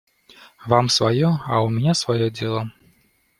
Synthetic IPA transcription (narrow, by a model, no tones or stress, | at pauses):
vamsvajɔaumʲinʲasvajɔdʲelˠɔ